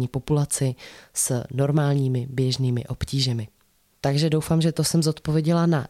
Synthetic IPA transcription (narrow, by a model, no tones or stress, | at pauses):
ɲiːpo̞pulat͡sɪsno̞ɾmaːlɲiːmɪbjɛʒniːmɪ̰ʔo̞pciːʒɛmɪ | t̪aɡʒɛdo̞wfaːmʒɛt̪osɛmzo̞t̪po̞vjɛɟɛlana